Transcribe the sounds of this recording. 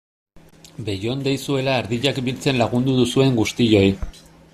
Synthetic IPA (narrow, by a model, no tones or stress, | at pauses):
be̞jo̞nd̪ejsue̞laeɾðiʎakbilt͡se̞nlaɣund̪uðusue̞ŋɡust̪iʎo̞j